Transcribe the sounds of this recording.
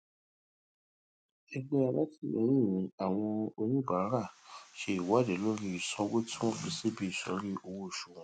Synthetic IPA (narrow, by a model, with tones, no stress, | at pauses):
ɛ˧ɡ͡bɛ˧a˧la˦tʰi˦˨ɛ̰˨˦ñĩ˦˨ĩ˨˦a˨w̃ɔ̃˧o˧nĩ˦˨ba˨ɾa˦ɾa˦˨ʃe˧˦i˨wa˨˦˨de˨˦lo˦ɾi˦i˨sɔ̃˨˦wo˦tʰũ˦˨bi˨se˦˨bi˦i˦˨sɔ̰̃˨˦ɾi˦ʔo˧wo˦˨ʃu˨wɔ̃˧˦